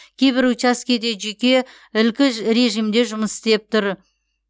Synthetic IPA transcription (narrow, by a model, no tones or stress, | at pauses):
kʲʰe̞jbɪɾut͡ʃaskʲed̪e̞ʒekʲe̞ | ɪlkʲɪɾe̞ʒijmd̪e̞ʒʊməsɪ̥st̪e̞p̚t̪ʊɾ